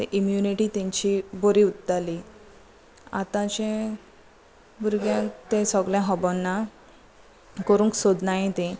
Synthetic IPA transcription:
t̪ẽʔimjuniʈit̪ẽɲt͡ɕiboɾiut̪ːali | a̰t̪ãt͡ɕẽ | buɾɡjãt̪ẽsɔɡljãɦɔbɔnːa | kəɾũŋksod̪najẽt̪ẽ

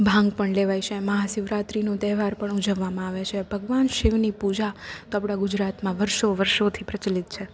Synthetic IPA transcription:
bʱãŋɡpəɳleʋajt͡ʃʰeməɦasɪʋɾat̪ɾinot̪ɛɦʋaɾpəɳud͡ʒəʋːamãaʋet͡ʃʰebʱəɡʋanʃiʋnipud͡ʒat̪oapɽaɡʊd͡ʒɾat̪mãʋəɾʃoʋəɾʃot̪ʰipɾət͡ʃəlit̪̚t͡ʃʰe

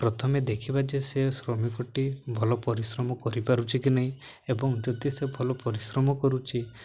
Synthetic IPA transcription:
pɾɔt̪ʰɔmed̪ekʰibat͡ʃesesɾɔmikɔʈibʱɔlɔpɔɾisɾɔmɔkɔɾipaɾut͡ʃʰikinaɦĩ | ebɔŋd͡ʒɔd̪isebʱɔlɔpɔɾisɾɔmɔkɔɾut͡ʃʰi

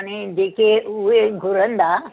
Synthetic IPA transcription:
ñid͡ʑeːkeuɦeɡʱʊɾə̃nd̪a

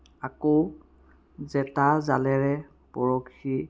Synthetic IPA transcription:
ako | zɛtazalɛɹɛ | pɔɹɔkʰi

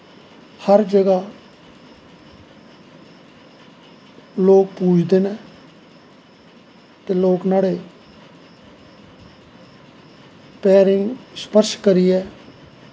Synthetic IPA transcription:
həɾd͡ʒəɡaː | loːk̚puːt͡ʃʰd̪eːnɛː | t̪eːloːknaːɽeː | pɛːɾɪŋɡspəɾʃkəɾiːɛː

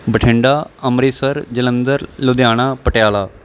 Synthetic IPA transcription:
bəʈʰɪ̃ɳɖaːəmɾiːsəɾd͡ʒələ̃nd̪əɾlod̪jaːɽ̃apəʈjaːlaː

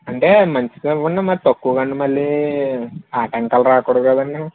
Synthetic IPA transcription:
ɐɳʈe̞ːmɐɲt͡ʃi̥unːɐmat̪ɐkːuːkɐɳɖumɐlːi | aːʈɐŋkɐlɾaːkuɽɐkɐd̪ɐnːi

